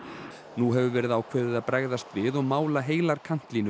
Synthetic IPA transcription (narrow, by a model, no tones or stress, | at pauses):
nuɦɛvʏvɛːɾɪðaːwkʰvɛːðɪðaðpɾaɣðast̪vɪðɔɣmaːwlaɦeːjlaɾkʰan̥t̪linʏ